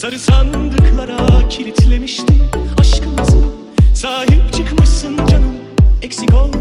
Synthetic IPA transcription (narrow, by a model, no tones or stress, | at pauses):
saɾɯsʰand̪ɯklˠaɾacʰilʲit̪ʰilʲemiʃt̪ʰiaʃkʰɯmasɯn | saːɦip̚t͡ʃʰɯkmɯʃsɯnd͡ʒanɯm | ɛksiɡolˠ